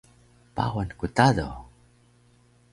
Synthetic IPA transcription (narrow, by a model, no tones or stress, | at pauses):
pa̰wankutado̰